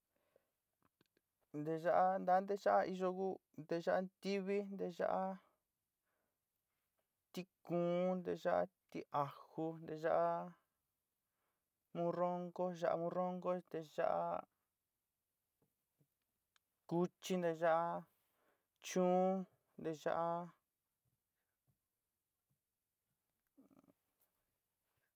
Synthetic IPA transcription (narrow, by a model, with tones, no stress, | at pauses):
nd̪e˧ʒa˦ʔa˦nd̪a˧˦nd̪e˦ʒa˦ʔa˦i˧ʒo˧ku˦ | nd̪e˧ʒa˦ʔa˦t̪i˦βi˦nd̪e˧ʒa̰˦ʔa˦ | t̪i˧kũː˨˦nd̪e˧ʒa˦ʔa̰˦˧t̪i˧a˨hu˧nd̪e˧ʒa˦ʔa˦ | mũ˧˦ro˦ŋɡo˦ʒa˦˧ʔa̰˧mũ˧˦ɾo˦ŋɡo˦d̪e˧ʒa̰˦ʔa̰˦ | ku˦t͡ʃi˦nd̪e˧ʒa˦ʔa˦˧ | t͡ʃũː˦ | nd̪e˧ʒa̰˦ʔa˦